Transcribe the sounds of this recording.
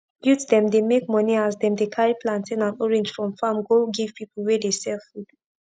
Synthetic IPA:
bjutdɛ̃mdemekmɔniazdɛ̃mdekʰaɹiplãntĩnãnɔɹɛ̃nd͡ʒfɹɔ̃mfamɡoɡiv̥pipl̩ˠwɛdesɛlfud̥

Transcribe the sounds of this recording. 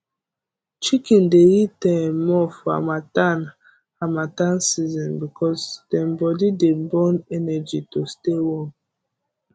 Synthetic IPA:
t͡ʃikĩndeɹitɛmɔfɔa̰matan | amatãnsizɔ̃nbikɔsdɛ̃mbɔdidebɔ̃nɛnɛd͡ʒitostewɔ̃n

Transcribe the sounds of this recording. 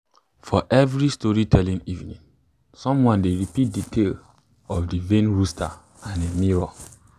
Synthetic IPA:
fɔʔɛvɹistɔɹitʰɛlĩnivnĩn | sɔ̃mwɔ̃ndeɹipit̚ditʰel | ɔfdivẽnɹustʰa̰ | ãnemiɹɔ

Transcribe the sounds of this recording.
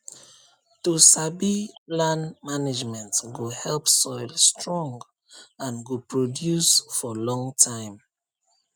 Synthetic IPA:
tusabilãnmanid͡ʒmɛ̃ntsɡohɛlpsɔɪlstɹɔ̃ŋɡ | ãnɡopɹodjusfɔlɔ̃ŋtʰãɪ̃m

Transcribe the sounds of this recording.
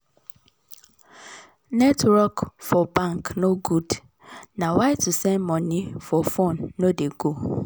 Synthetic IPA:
nɛtʰɾɔkfɔbãŋknoɡud | nãwaɪtusɛ̃nmɔ̃nĩfɔfõnːodeɡo

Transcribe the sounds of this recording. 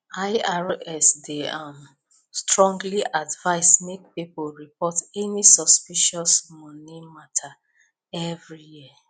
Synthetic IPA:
aɪaɹɛsdeãm | stɹɔ̃ŋɡliʔadvaɪsmek̚pipoɹipɔtɛnisɔspiʃɔsmɔnimatʰa | ɛvɹijiə

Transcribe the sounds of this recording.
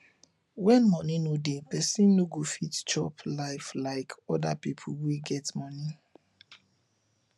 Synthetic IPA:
wɛ̃nmɔnĩnodepɛsĩnːoɡofitt͡ʃɔplaɪflaɪkʰɔdapipʰuwiɡɛtmɔnĩ

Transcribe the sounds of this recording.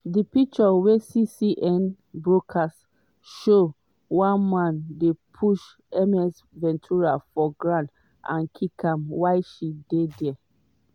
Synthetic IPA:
dipik̚t͡ʃɔwesisiʔɛ̃n | bɹokʰas | ʃo | wãnmãndepʰuʃ | ɛmɛs | vɛ̃ntʰuɹafɔɡɹãnt | ã̰nkʰikãmwajʃidedɛ

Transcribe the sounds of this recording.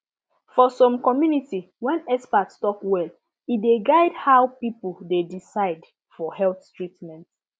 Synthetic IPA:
fɔsɔ̃mkɔmjuniti | wɛ̃nɛspatstɔkwɛl | ideɡaɪdhawpipuldedisaɪd | fɔhɛlθtɹitmɛ̃nt

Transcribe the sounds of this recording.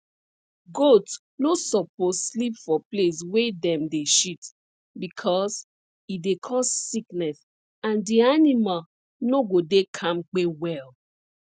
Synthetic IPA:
ɡot | nosɔpʰosslipfɔples̬wedɛ̃mdeʃit | bikʰɔs | idekʰɔsːiknɛs | ãndianimal | noɡodekʰãmk͡pewɛl

